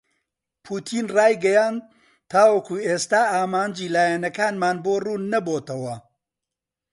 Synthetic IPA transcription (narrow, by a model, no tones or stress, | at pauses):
pʰuːt̪ʰiːnraːjɡɐjaːnd̪̚ | t̪ʰːaːwɐkuːeːst̪aːaːmaːnd͡ʒiːlaːjɛnɐkaːnmaːnboːruːnɐboːt̪ɐwɐ